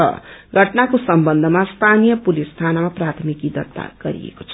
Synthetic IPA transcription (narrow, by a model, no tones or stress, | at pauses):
ʌ̰ɡʱʌʈnakosʌmbʌnd̪ʱʌmast̪ʰanijʌpulist̪ʰanamaprat̪ʰmikid̪ʌt̪ːa̰ɡ̥ʌɾḭḛko̥t͡sʰʌ̥